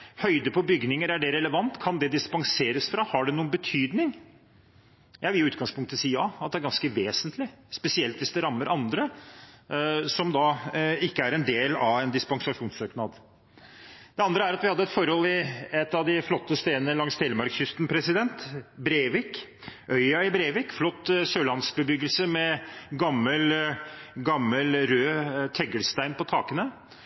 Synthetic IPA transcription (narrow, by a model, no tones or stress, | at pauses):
hœʏd̪əpʰɔbʏɡnɪŋəɾæɖɛɾɛləʋɑnt̪kʰɑnd̪ɛd̪ɪspɑŋseːɾəsfɾɑhɑɖɛnuːənbət̪ʰyːd̪nɪŋ | jʔæɪʋɪljʊʉːt̪ɡɑŋspʰʊŋkt̪əsiːəɑɑt̪̚d̪ɛæɾɡɑnskəʋeːsənt̪ʰlɪspɛsɪɛlt̪ʋɪsd̪ɛɾɑmːəɾʔɑnd̪ɾə | sɔmd̪ɑɪkːəæɾɛnd̪eːlɑʋɛnd̪ɪspɑŋsɑʂuːnsøːknɑd̪ | d̪̥ɛɑnd̪ɾəæɾɑt̪ʋɪhɑd̪ːəɛt̪fɔɾhɔlːɪɛt̪ːɑʋd̪ɪflɔt̪ːəst̪eːnənəlɑŋst̪ʰeːləmɑɾksjʏst̪n̩pʰɾɛsɪd̪ɛnt̪bɾeːʋɪk | ʔœʏɑɪbɾeːʋɪkflɔt̪ːsøːlɑnsk̚bəbʏɡəlsəmɛɡɑmːəl | ɡɑmːəlɾøːt̪ʰɛɡəlst̪æɪnpɔt̪ʰɑːkənə